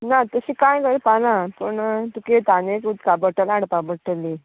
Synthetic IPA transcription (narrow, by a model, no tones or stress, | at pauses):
nat̪əɕiːkajɡəɾpalãpəɳt̪uket̪anekut̪kabəʈəlaɽpabəʈəlːi